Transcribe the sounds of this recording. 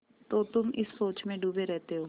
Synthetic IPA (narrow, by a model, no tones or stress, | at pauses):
t̪ot̪ʊmɪssoːt͡ʃmẽɖuːbeɾɛɦt̪eɦoː